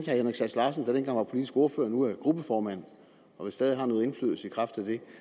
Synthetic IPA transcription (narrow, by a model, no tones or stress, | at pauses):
æhenʁeɡsæslɑ̈ːsən̩d̥æd̥enɡɑ̈ŋ̰ʋɑ̈pʰo̝lid̥isɡ̥o̝ɐfø̰ːɐnuæɡ̥ʁub̥əfɒːmæn̰ | ɒ̽ʋesɛːð̞ˠihɑ̈nɔ̽ːe̝nfly̰ðˠl̩səikʰʁɑfd̥æd̥e̝